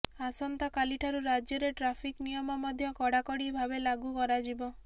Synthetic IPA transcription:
asɔnt̪akaliʈʰaɾuɾad͡ʒjɔɾeʈɾapʰiknijɔmɔmɔd̪ʱjɔkɔɽakɔɽibʱabelaɡukɔɾad͡ʒibɔ

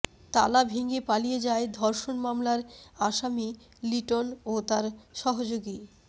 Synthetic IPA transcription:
t̪alabʱiŋɡepalijed͡ʑaed̪ʱɔɾʃonmamlaɾaʃami | liʈonot̪aɾʃɔɦod͡ʑoɡi

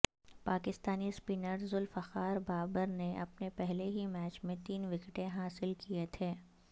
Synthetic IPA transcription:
paːkɪst̪aːnispinəɾzʊlfɐxaːɾbaːbəɾneʔɐpnepɛɦleɦimɛːt͡ʃmẽt̪iːnʋɪkʈẽɦaːsɪlkiet̪ʰeː

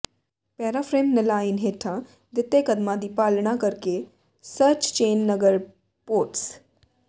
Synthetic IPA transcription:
pɛːɾafʰɾeːmnəlaːinɦeːʈʰã | d̪ɪt̪ːekəd̪mãd̪iːpaːlɽ̃ãkəɾke | sət͡ʃt͡ʃeːnːəɡəɾ | poːʈs

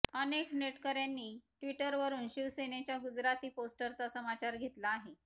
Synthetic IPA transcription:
ənekneʈkəɾjanːiːʈʋiʈəɾʋəɾuːnɕiʋsenet͡ɕjaɡud͡zɾat̪iːposʈəɾt͡sasəmat͡ɕaɾɡʱet̪laːɦe

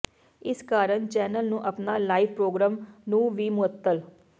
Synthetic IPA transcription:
ɪskaːɾənt͡ʃɛːnəlnũːʔəpnaːlaːiʋpɾoːɡɾãːmnũːʋiːmʊət̪ːəl

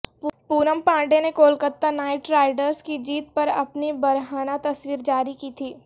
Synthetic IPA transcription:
puːɾəmpãːɳɖenekoːlkət̪ːanaːɪʈɾaːɪɖəɾskid͡ʒiːt̪̚pɐɾɐ̰pnibɐɾɦaːnat̪ɐswiːɾd͡ʒaːɾikiːt̪ʰiː

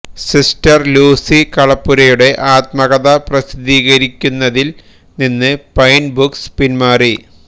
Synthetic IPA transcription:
sistɐrluːsikɐɭɐpːuɾɐjuɽe̞ʔaːt̪mɐɣɐðɐprɐsid̪iːɣɐɾikʲːunːɐðil | ninːɨpɐjnbukspinmaːri

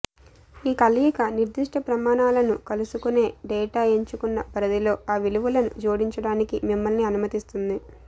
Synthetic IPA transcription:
iːkɐlijikɐniɾd̪iʂʈʰɐpɾɐmaːɳaːlɐnukɐlusukune̞ːɖɛːʈaːeɲt͡ʃukunːɐpɐɾɐd̪ilo̞ːaːʋiluʋulɐnṵd͡ʒoːɽiɲt͡ʃɐɽaːnikimimːɐlniɐnumɐt̪ist̪und̪i

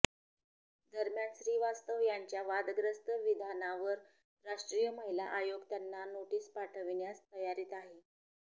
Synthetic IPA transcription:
d̪əɾmjanɕɾiːʋast̪əʋjaɲt͡ɕjaʋad̪ɡɾəst̪əʋid̪ʱanaʋəɾ | ɾaʂʈɾijəməɦila̰ʔajoɡt̪janːanoʈiːspaʈʰəʋɳjast̪əjaɾiːt̪aɦe

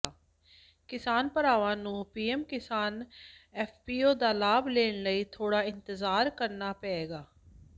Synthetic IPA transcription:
kɪsaːnpəɾaːʋãːnũːpiːɛːmkɪsaːnɛːfʰpiːoːd̪aːlaːbleːɳləiːt̪ʰoːɽaːɪnt̪ɪzaːɾkəɾnaːpɛeːɡaː

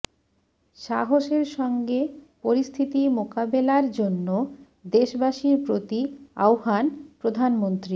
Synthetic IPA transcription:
ʃaɦoʃeɾʃɔŋɡepoɾist̪ʰit̪imokabelaɾd͡ʑonːo | d̪eʃbaʃiɾpɾot̪ia̰wɦanpɾod̪ʱanmont̪ɾi

